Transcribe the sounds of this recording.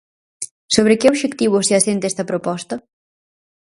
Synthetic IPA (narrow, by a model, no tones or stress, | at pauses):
soβɾekeoβʃekt̪iβoseɐsent̪ɛst̪ɐpɾopɔst̪ɐ